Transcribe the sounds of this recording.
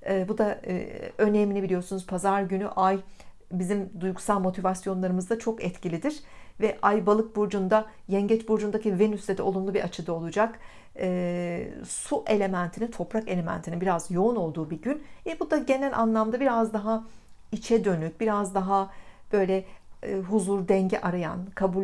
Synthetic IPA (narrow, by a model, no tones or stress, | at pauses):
ɛːbud̪a̰ | ø̞nemilʲibilʲijo̞ɾsunuz̥pʰazaɾɟyny̰ʔaj | bizimd̪ujɡusalˠmo̞t̪ʰivasjo̞nlˠaɾɯmɯzd̪at͡ʃʰo̞kɛt̪cilʲid̪iɾ̥vɛʔajbalˠɯk̚buɾd͡ʒund̪a | jɛɲɟɛt͡ʃbuɾd͡ʒund̪acive̞nyslʲed̪ɛo̞lˠumlˠubiɾat͡ʃʰɯd̪ao̞lˠud͡ʒak | ɛː | suʔe̞lʲe̞mænt̪ʰinint̪ʰo̞pɾake̞lʲemæ̰nt̪ʰinnbiɾazjo̞uno̞lˠd̪uːbiɟynvɛbud̪aɟe̞nɛlʲʔa̰nlˠamd̪abiɾazd̪aɦa | it͡ʃʰɛd̪ø̞nyc̚biɾazd̪aɦab̥ø̞jlʲɛɦuzuɾd̪ɛɲɟɛ̰ʔaɾaja̰nkʰabu